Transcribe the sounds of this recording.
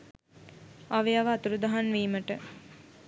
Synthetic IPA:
aʋeaʋəːt̪uɾud̪aɦanʋiːməʈə

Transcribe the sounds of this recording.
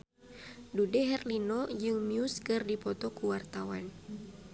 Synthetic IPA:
dudɛɦɛrlinɔd͡ʒɨŋmiuskɨrdipɔt̪ɔkuwart̪awan

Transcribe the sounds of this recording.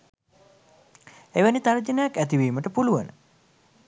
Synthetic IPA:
eʋənit̪aɾd͡ʒənəjakːæt̪iʋiːməʈəpuluʋənə̰

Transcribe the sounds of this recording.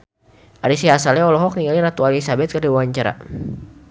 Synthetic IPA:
ʔaɾisiɦasalɛɔlɔɦɔk̚niŋaliɾat̪ualisabɛt̪̚kərdiwaaɲt͡ʃaɾa̰

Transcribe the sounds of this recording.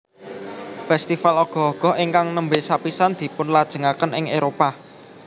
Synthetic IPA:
fɛst̪ifalɔɡ̥ɔ̤ɔɡ̥ɔ̤ɪŋkaŋnəmbesapisand̪̥i̤pʊnlad̥ʒ̥ə̤ŋakənɪŋeɾopa

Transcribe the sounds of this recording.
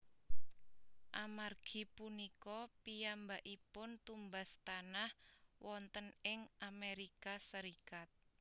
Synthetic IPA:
ʔamarɡ̥i̤punikɔpijambaʔipʊnt̪umbast̪anahwɔnt̪ənɪŋʔameɾikasəɾikat̪̚

